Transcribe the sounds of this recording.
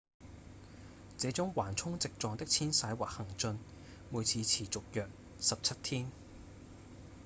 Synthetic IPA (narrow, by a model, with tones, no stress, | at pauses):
t͡sɛː˨˥t͡sʊ˥ŋwaː˨˩nt͡sʰʊ˥ŋt͡sɪ˨k̚t͡sɔː˨ŋt̪ɪ˥k̚t͡sʰiː˥nsaː˨˥jwaː˨k̚hɐ˨˩ŋt͡sɵ˧n | muː˨˧jt͡sʰiː˨˧t͡sʰiː˨˩t͡sʊ˨k̚jœː˨k̚ | sɐ˨p̚t͡sʰɐ˥t̚t̪ʰiː˥n